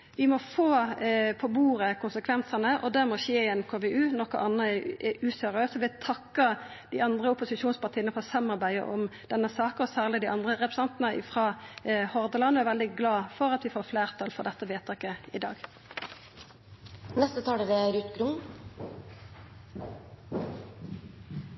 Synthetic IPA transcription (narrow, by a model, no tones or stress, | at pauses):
ʋɪmɔfoːpʰɔbuːʁəkʰʊnsəkʰʋɛnsɑnəʔɔd̪æʁmɔçeːɪɛnkʰoːʋɛʉːnɔkːə̰ʔɑnəʉːsœʁøːsɔʋɪt̪ʰɑkːɑd̪iːɑnd̪ʁəʊpʊsɪʂuːnspɑʁt̪iːənəfɔʁsœmɑʁbæɪə̰ʔɔ̰md̪̥ɛnːəsɑːkəʁɔsæːʁlɪd̪iʔɑnd̪ʁəʁɛpʁɛsɑnt̪nəɪ̰fʁɑːhɔʁd̪əlɑnɔɛʋɛld̪ɪɡlɑːfɔʁɑt̪ʋɪfoːʁfleːʁt̪ʰɑlfɔʁd̪ɛt̪ːəʋeːt̪ʰɑkəɪd̪ɑ̰ːɡ | nɛst̪ət̪ʰɑːɖɛd̪ɛɾʉt̪ɡɾʊm